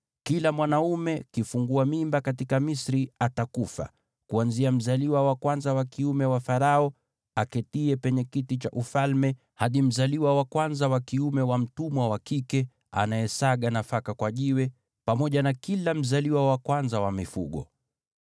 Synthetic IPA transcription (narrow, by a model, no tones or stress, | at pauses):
kilamwanaumɛkifuŋɡuamimbakatikamisɾiatakufa̰ | kuanziam̩zaliwawakwanzawakiumɛwafaɾaɔ | akɛtiɛpɛɲɛkitit͡ʃaʔufalmɛ | haɗim̩zaliwawakwanzawakiumɛwam̩tumwawakikɛ | a̰naɛsaɠanafakakwaʄiwɛ | pamɔʄanakilam̩zaliwawakwanzawamifṵɠɔ̰